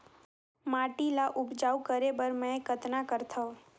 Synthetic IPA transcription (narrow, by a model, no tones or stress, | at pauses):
maʈilaʔʊbd͡ʒaukəɾebəɾmə̃ekət̪nakəɾt̪ʰəo